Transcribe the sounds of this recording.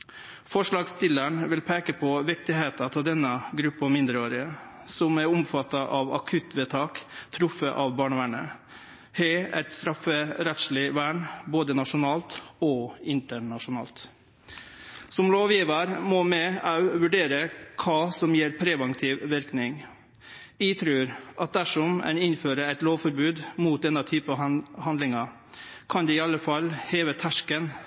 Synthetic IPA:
fɔʂɭɑːɡst̪ɪləɳʋɪlpʰeːkəpʰɔʋɪk̚t̪ɪheːt̪ɑt̪ʰɪld̪ɛnːəɡɾʉpːɔmɪnd̪ɾəoːɾɪə | sɔmæɾʊmfɑt̪ːɑʔɑʋɑkʰʉt̪ʰʋɛːt̪ʰɑːkt̪ʰɾʊfəʔɑʋbɑːɳəʋæːɳə̰ | hɛːæ̰t̪st̪ɾɑfːəɾɛt̪ʂlɪʋæːɳboːd̪ənɑʂʊnɑːlt̪ɔɪnt̪əɳɑʂʊnɑ̰ːlt̪ | sɔmloːʋjiːʋəɾmɔmɛɑʉʋʉɖeːɾəkʰɑːsɔmjeːɾpʰɾɛʋəŋt̪ʰɪːʋʋɪɾknɪŋ | ɪt̪ʰɾʉːɾʔɑt̪̚d̪æʂɔmɛ̰nɪnføːɾəɾæɪt̪loːʋfɔɾbʉːd̪muːt̪̚d̪ɛnd̪ɑt̪ʰyːpəɑhɑnd̪lɪŋɑ | kʰɑnd̪ɛɪːɑlːəfɑlheːʋət̪ʰæʂkən

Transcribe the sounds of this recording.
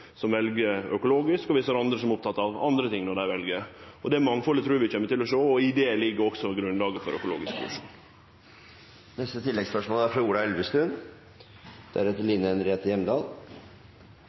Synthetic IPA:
sɔmʋɛlɡəɾœkʊloːɡɪskɔʋɪsəɾɑnd̪ɾəsɔmʊp̚t̪ʰɑt̪ːɑʋɑ̰nd̪ɾət̪ʰɪŋːnɔɖæɪʋɛlɡəɾɔd̪ɛæɾmɑŋːfɔlət̪ɾʉːʋɪc͡çɛmːət̪ɪlːɔʂoːɔɪd̪eːlɪɡːəɾɔksɔɡɾʉnlɑːɡəfɔɾʔœ̰kʊlo̰ːɡɪskʋ̰ʂṵːn | nɛst̪ət̪ʰɪlːɛɡspœʂmoːlæɾfɾɑuːɖ̪ɑɛlʋəst̪ʉn | d̪̥æ̰ɾɛt̪ːəlɪnːənɾeːt̪əjɛmd̪ɑːl

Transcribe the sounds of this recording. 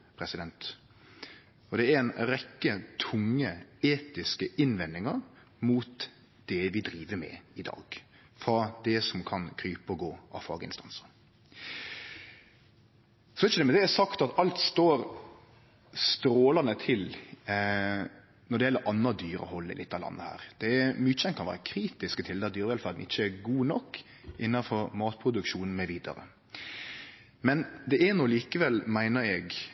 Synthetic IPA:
pʰɾɛsɪd̪ɛnt̪ | ɔd̪ɛɛɾɛnɾɛkːət̪ʰʊŋːəeːt̪ɪskəʔɪnʋɛnːɪŋɑɾ | muːt̪ | d̪̥ɛʋɪd̪ɾiːʋəmɛ̰ɪd̪ɑ̰ːɡ̥ | fɾɑd̪ɛsɔmkʰɑnkʰɾyːpɔɡoːɑ̰ʋfɑ̰ːɡəɪ̰nst̪ɑnsəɾ | sɔɪt͡ʃːəd̪ɛmɛd̪ɛɛsɑkt̪ɑt̪ɑlt̪st̪oːɾ | st̪ɾoːlɑnət̪ʰɪl | nɔɖ̪ɛjɛlːəɾʔɑnːɑd̪yːɾə̰hɔlːɪ̰lɪ̰t̪ːɑlɑ̰nːəhæ̰ːɾd̪̥ɛæmyt͡ʃɛnkʰɑnʋæ̰ːɾəkʰɾiːt̪ɪskət̪ʰɪld̪ɛd̪yːɾəʋɛlfæɾd̪n̩ɪt͡ʃːəɛɡuːnɔkː | ʔɪnːɑfɔɾmɑːt̪̚pʰɾʊd̪ʉkʃuːnn̩mɛʋiːd̪ɑ̰ɾə̰ | mɛnd̪ɛɛnɔliːkəʋɛlmæɪnəɾɛɡ

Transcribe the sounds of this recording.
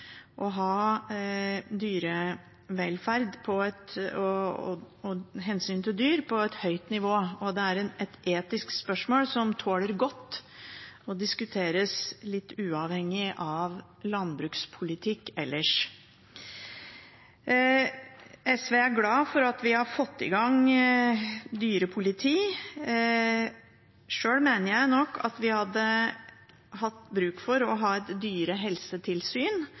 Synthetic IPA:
ʔɔɦɑː | d̪yːɾə | ʋɛlfæɾd̪pʰɔɛt̪ɔ | ɦɛnsyːnt̪ʰɪld̪yːɾpʰɔɛt̪hœʏt̪nɪʋoːɔd̪ɛæɾɛnɛt̪eːt̪ɪskspœʂmoːlsɔmt̪ʰoːləɾɡɔt̪ː | ɔd̪ɪskʉt̪ʰeːɾəslɪt̪ːʉːɑʋhɛŋːɪʔɑʋ | lɑnbɾʉːkspʰʊlɪt̪ʰɪkːɛlːəʂ | ɛsʋeːæɾɡlɑːfɔɾɑt̪ʋɪhɑɾfɔt̪ːɪ̰ɡɑŋ | d̪yːɾəpʰʊlɪt̪ʰiː | ʂøːlmeːnəɾjæɪnɔkːɑ̰t̪ʋɪhɑd̪ːə | hɑt̪ːbɾʉːkfɔɾɔɦɑːɛt̪d̪yːɾəɦɛlsət̪ʰɪlsyːn

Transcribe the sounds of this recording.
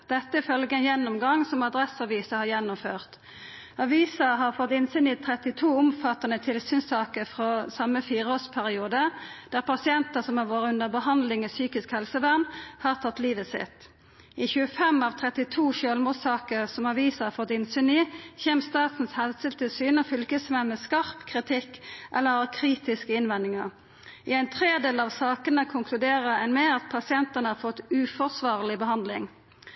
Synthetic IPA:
d̪̥ɛt̪ːəɪfœlɡəənjɛnːʊmɡɑŋːsɔmɑd̪ʁɛsɑʋiːsəhɑːʁjɛnːʊmføːʁt̪ | ɑʋiːsəɦɑːʁfɔt̪ːɪnsyːniːt̪ʰʁɛt̪ɪt̪ʰuːʊmfɑt̪ːɑnət̪ʰɪlsyːnsɑːkəʁfʁoːsɑmːəfiːʁəoːspʰæʁɪuːd̪əd̪̥æːʁpʰɑsɪɛnt̪əsɔmhɑːʁʋoːʁəʉnd̪əʁbəhɑnd̪lɪŋɛsyːkɪskhɛlsəʋæʁnhɑːʁt̪ʰɑt̪ːliːʋəsɪ̰t̪ | ɪçʉːəfɛmɑʋt̪ʰʁɛt̪ɪt̪ʰuːʃøːlmuːd̪sɑːkəʁsɔmɑʋiːsəhɑːfɔt̪ːɪnsʏniːçeːmst̪ɑːt̪n̩shɛlsəlt̪ʰəsyːnəfʏlkəsmɛnmɛskɑʁpkʰʁɪt̪ʰɪkːʔɛ̰lːəʁɑkʰʁiːt̪ɪskəɪnʋɛnd̪ɪŋəʁ | ɪæɪnt̪ʰʁeːd̪eːləɑʋsɑːkənəkʰʊŋkʰlʉd̪eːʁəænmeːɑt̪̚pʰɑsɪɛnt̪ənəhɑːʁfɔt̪ʉːfɔʁsʋɑːʁlɪbəhɑnd̪lɪ̰ŋ

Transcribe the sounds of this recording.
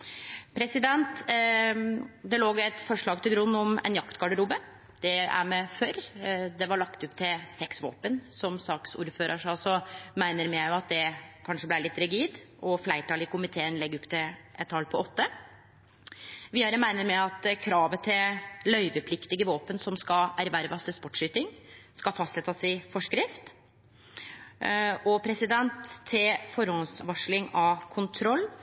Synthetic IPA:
pʰɾɛsɪd̪ɛnt̪ | d̪ɛloːɡæt̪fɔʂɭɑːɡ̚t̪ʰɪlɡɾʉnːɔmɛ̰njɑkt̪ɡɑɖəɾuːbə | d̪̥ɛæ̰ɾmɛføːɾd̪ɛʋɑɭɑkt̪ʉpːt̪ʰɪsɛksʋo̰ːpənsɔmsɑːksṵːɾføːɾʔəʂɑsɔmæɪnəɾmɪæʊɑt̪̚d̪ɛkʰɑnʂəblæɪɾɭɪt̪ːɾɪɡiːd̪ʔɔflæɪʈɑːlɪkʊmɪt̪ʰeːənlɛɡːʉpːt̪ʰɪʔɛt̪ʰːɑlpʰɔɔt̪ːə | ʋɪːɑɾəmæɪnəɾmɛɑt̪kʰɾɑːʋət̪ʰɪllœʏʋəpʰlɪkt̪ɪɡəʋoːpənsɔmskɑæɾʋæɾʋɑst̪ʰɪlspɔʈʂyːt̪ɪŋskɑfɑst̪sɛt̪ːɑsɪfɔʂkɾɪft̪ | ɔpʰɾɛsɪd̪ɛnt̪ʰːɪlfɔɾhɔnsʋɑʂlɪŋɑkʰʊnt̪ʰɾɔlː

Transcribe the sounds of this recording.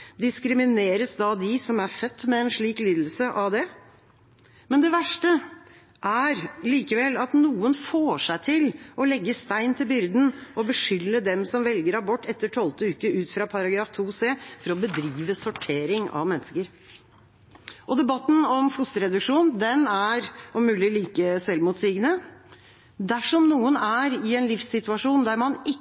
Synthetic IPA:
d̪ɪskɾɪmɪneːɾəsd̪ɑd̪ɪsɔmæɾfœt̪ːmɛɛnʂɭiːkliːd̪l̩səʔɑʋd̪ɛ | mɛnd̪ɛʋæʂʈə | ʔæɾliːkəʋɛlɑt̪nuːənfoːʂæɪt̪ʰɪlʔɔlɛɡːəst̪æɪnt̪ʰɪlbʏɾd̪n̩ʔɔbəʂʏlːəd̪ɛmsɔmʋɛlɡəɾɑbɔʈːɛt̪ːəʈʰɔlt̪əʉːkəʉːt̪fɾɑpʰɑɾɑɡɾɑːft̪ʰuːseːfɔɾɔbəd̪ɾiːʋəsɔʈʰeːɾɪŋɑ̰ʋmɛnːəskəɾ | ʔɔd̪ɛbɑt̪ːnɔmfʊst̪əɾɛd̪ʉkʂuːnd̪ɛnæɾɔmʉːlɪliːkəsɛlmʊt̪siːɡnə | d̪æʂɔmnuːənæɾɪɛnlɪfsɪt̪ʉɑʂuːnd̪æɾmɑnɪ

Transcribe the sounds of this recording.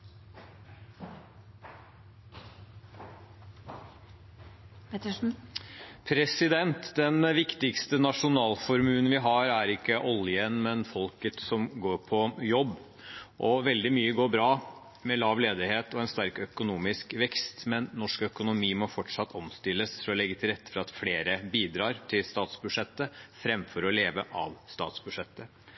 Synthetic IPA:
pt̪ | pʰɾɛsɪd̪ɛnt̪d̪ɛnʋɪkt̪ɪkst̪ənɑʂʊnɑːlfɔɾmʉːn̩ʋɪɦɑɾæɾɪkːəʔɔljənmɛnfɔlkət̪sɔmɡoːɾpʰɔjɔbː | ʔɔʋɛld̪ɪmyːəɡoːɾbɾɑː | mɛlɑːʋleːd̪ɪheːt̪ɔɛnst̪æɾkœkʊnuːmɪskʋɛkst̪mɛnnɔʂkœkʊnʊmiːmɔfɔʈʂɑt̪ʰːɔmst̪ɪlːəsfɔɾɔlɛɡːət̪ʰɪlɾɛt̪ːə̥fɾɑɑt̪fleːɾəbiːd̪ɾɑːɾt̪ʰɪlst̪ɑːt̪sbʉʂɛt̪ːəfɾɛmfɔɾɔleːʋəʔɑ̰ʋst̪ɑ̰ːt̪sbʉʂɛt̪ːə

